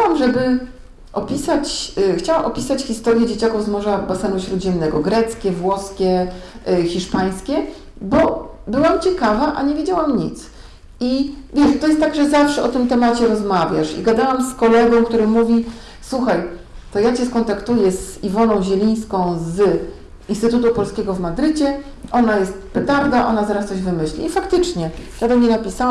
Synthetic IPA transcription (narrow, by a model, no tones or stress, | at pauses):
xawamʐɛbɘ | ʔɔpʲisat͡ɕxt͡ɕawamʔɔpʲisat͡ɕxʲist̪ɔɾjɛd͡ʑet͡ɕakuvzmɔʐabasɛnuɕɾud̪ʑɛmnɛɡɔɡɾɛt̪skʲɛvwɔskʲɛ | xʲiʂpaj̃skʲɛ | bɔbɘwamt͡ɕɛkavaʔa̰ɲevʲjed͡ʑawamɲit̪s | ivʲjɛʂt̪ɔjɛst̪ːaɡʐɛzafʂɛɔt̪ɘmt̪ɛmat͡ɕɛɾɔzmavʲja̰ʂḭɡad̪awamskɔlɛɡɔ̃w̃kt̪uɾɘmuvʲi | swuxajt̪ɔjat͡ɕɛskɔnt̪akt̪ujɛzivɔnɔ̃w̃ʑɛlʲij̃skɔ̃w̃z | inst̪ɘt̪ut̪upɔlskʲɛɡɔvmad̪ɾɘt͡ɕɛ | ʔɔnajɛst̪̚pɛt̪aɾd̪aʔɔnazaɾast̪sɔʑvɘmɘɕlʲḭifakt̪ɘt͡ʂɲɛjad̪ɔmɲɛnapʲisaw